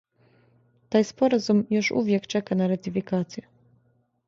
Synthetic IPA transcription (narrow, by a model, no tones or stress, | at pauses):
t̪ajspɔɾazumjuʂṵvʲjɛkt͡ʂɛkanaɾat̪ifʲikat̪sʲjɛ